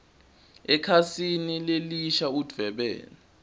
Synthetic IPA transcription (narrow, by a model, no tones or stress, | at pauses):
ɛkʰasinileliʃaud̥vɛɓɛ̰ːna